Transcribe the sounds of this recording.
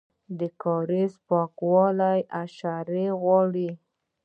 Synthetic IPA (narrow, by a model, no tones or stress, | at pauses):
d̪əkɑɾespɑkwɑlajʔaʃaɾeɣwɑɽi